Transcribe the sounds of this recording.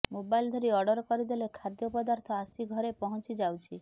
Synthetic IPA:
mobajld̪ʱɔɾiɔɾɖɔɾkɔɾid̪elekʰad̪jɔpɔd̪aɾt̪ʰɔasiɡʱɔɾepɔɦɔ̃t͡ʃid͡ʒawt͡ʃʰi

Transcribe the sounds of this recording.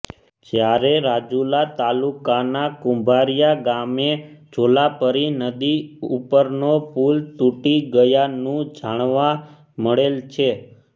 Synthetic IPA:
d͡ʒjaɾeɾad͡ʒulat̪alukanakũmbʱaɾijaɡamed͡ʒʱolapəɾinəd̪iupəɾnopult̪uʈiɡəjanũd͡ʒaɽ̃ʋa | məɭelt͡ʃʰe

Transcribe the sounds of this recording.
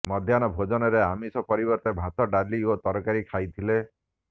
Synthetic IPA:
mɔd̪ʱjanɔbʱod͡ʒɔnɔɾeamisɔpɔɾibɔɾt̪ebʱat̪ɔɖaɾliot̪ɔɾkaɾikʰajt̪ʰile

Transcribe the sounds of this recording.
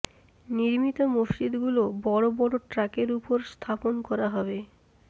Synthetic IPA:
niɾmit̪omost͡ɕid̪ɡulobɔɽobɔɽoʈɾakeɾupoɾst̪ʰaponkɔɾaɦɔbe

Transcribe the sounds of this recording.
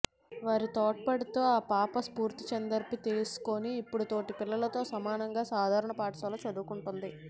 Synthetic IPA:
ʋaːɾit̪ɔːʈ̚pɐɽit̪oːaːpaːpɐspuːɾt̪it͡ʃɐnd̪ɐɾpit̪eːsu̥koniːpːuɽut̪o̞ːʈipilːɐlɐt̪o̞ːsɐmaːnɐŋɡaːsaːd̪ʱaːɾɐɳɐpaːʈɐsɐlɐt͡ʃɐd̪ukuɳʈund̪i

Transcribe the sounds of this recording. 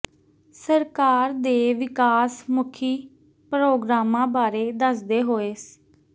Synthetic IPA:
səɾkaːɾd̪eːʋɪkaːsmʊkʰiː | pɾoːɡɾaːmãːbaːɾeːd̪əsd̪eːɦoːeːs

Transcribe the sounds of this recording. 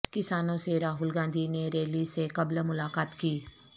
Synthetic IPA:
kɪsaːnõseɾaːɦʊlɡãːnd̪ʱineɾeːlisekɐblmʊlaːkaːt̪kiː

